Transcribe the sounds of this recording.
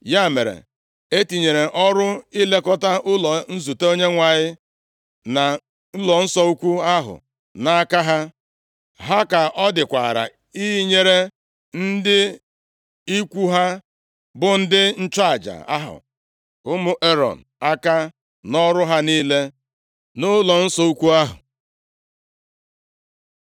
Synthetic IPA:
ja˦˨me˨ɾḛ˨ | e˦ti˨ɲe˨ɾe˨ʔɔ˦ɾʊ˦i˦le˦kɔ˦ta˦ʔʊ˦lɔ˨n̩˦zu˨te˦o˦ɲe˦ŋʷa˨ɲɪ˦ | na˨ | n̩˦lɔ˨n̩˦sɔ˦u˦kʷu˦a˦ɦʊ̰˨ | na˨a˦ka˦ɦa˦ | ɦa˦ka˨ʔɔ˦dɪ˨kʷa̰˨ɾa̰˨ | i˦ɦi˦ɲe˨ɾe˦ | n̩˦dɪ˦ | i˦kʷu˦ɦa˦ | bʊ˨n̩˦dɪ˦n̩˦t͡ʃa˦˨d͡ʒa̰˨a˦ɦʊ̰˨ | ʊ˦mʊ˦ʔe˦ɾɔ̰˨n̩˨a˦ka˦ | nɔ˦ɾʊ˦ɦa˦niː˦le˦ | nʊ˦lɔ˨n̩˦sɔ˦u˦kʷu˦a˦ɦʊ̰˨

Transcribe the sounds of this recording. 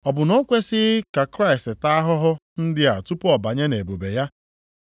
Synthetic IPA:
ɔ˨bʊ˨no˦kʷe˦sɪ˦ka˨kɾa˦ɪ˨stɪ˨ta˦a˦ɦʊ˦ɦʊ˦ | n̩˦dɪ˦a˨tu˦pɔ˨ba˨ɲe˦ne˨bo˨be˨ja˦

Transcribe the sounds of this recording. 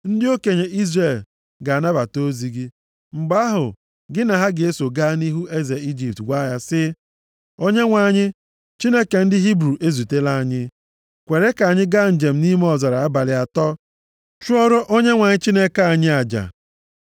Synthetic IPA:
n̩˦dɪ˦o˦ke˨ɲe˨ʔi˦zre˨l | ɡa˨na˦ba˨to˦zi˨ɡɪ˦ | ŋ͡m̩˨ɡ͡ba˦ɦʊ̰˨ | ɡɪ˦na˨ɦa˦ɡɪ˨e˦so˨ɡaː˦ni˦ɦu˦e˦ze˨i˦d͡ʒi˨p̚tɡʷa˦ja˦sɪ˦ | o˦ɲe˦ŋʷa˨ɲɪ˦ | t͡ʃi˦ne˦ke˨n̩˦dɪ˦ɦi˦bɾu˨ʔe˦zu˨te˦la˦a˨ɲɪ˦ | kʷe˨ɾe˦ka˨a˨ɲɪ˦ɡa˦n̩˨d͡ʒe˨m̩˦ni˦m˦ɔ˨za˨ɾa˨a˦ba˨lɪ˨a˨tɔ˦ | t͡ʃu˦ɔ˦ɾʊ˦ʔo˦ɲe˦ŋʷa˨ɲɪ˦t͡ʃi˦ne˦ka˨a˨ɲɪ˦a˨d͡ʒa̰˨

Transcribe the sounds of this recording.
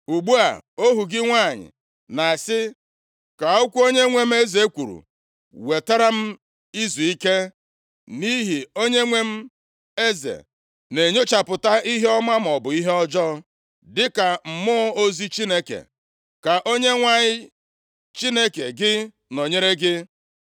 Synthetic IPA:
u˨ɡ͡bu˦a̰˨o˦ɦu˨ɡɪ˦ŋʷa˦˨ɲɪ̰˨ | na˨sɪ˦ | ka˨ʊ˦kʷu˦o˦ɲe˦ŋʷe˦m̩˦e˦ze˨˦kʷu˨ɾṵ˨ | we˨ta˦ɾa˦m̩˦ | i˦zu˨i˦ke˦ | ni˦ɦi˨o˦ɲe˦ŋʷe˦m̩˦ | e˦zḛ˨ | ne˨ɲo˦t͡ʃa˨pʊ˨ta˦i˦ɦe˦ɔ˦ma˦m̩˨ɔ˨bʊ˨i˦ɦe˦ɔ˦d͡ʒɔ˦ | dɪ˦ka˨m̩˨mʊ˦o˦zi˦t͡ʃi˦ne˦kḛ˨ | ka˨ʔo˦ɲe˦ŋʷa˨ɲɪ˦ | t͡ʃi˦ne˦ke˨ɡɪ˦ | no˨ɲe˦ɾe˦ɡɪ˦

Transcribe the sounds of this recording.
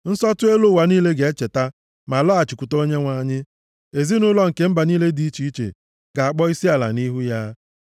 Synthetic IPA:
n̩˦sɔ˦tʊ˦e˦lo˦˨wa˨niː˦le˦ɡe˨e˦t͡ʃe˨ta˦ | ma˨lɔ˦a˨t͡ʃi˨ku˨to˦ɲe˦ŋʷa˨˦˨ɲɪ˦ | e˨zi˦nʊ˦lɔ˦ŋ̩˨ke˦m̩˦ba˨niː˦le˦di˦i˦t͡ʃi˨˦i˦t͡ʃḛ˨ | ɡa˨a˨k͡pɔ˦i˦si˦a˨la̰˨ni˦ɦu˦ja˦

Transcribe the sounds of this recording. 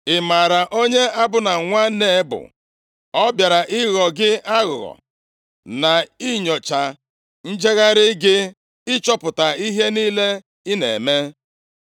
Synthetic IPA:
ɪ˨ma˨ɾa˨ʔo˦ɲe˦a˦bʊ˦na˨ŋʷa˦ne˨˦bʊ̰˨ | ɔ˦bja˨ɾa˨ʔɪ˦ɣɔ˨ɡɪ˦a˦ɣʊ˨ɣɔ̰˨ | na˨i˦ɲɔ˨t͡ʃa˨ | n̩˦d͡ʒe˦ɣa˦ɾɪ˦ɡɪ˦ | ɪ˦t͡ʃɔ˦pʊ˨ta˨i˦ɦe˦niː˦le˦ | ɪ˦nḛ˨me˦

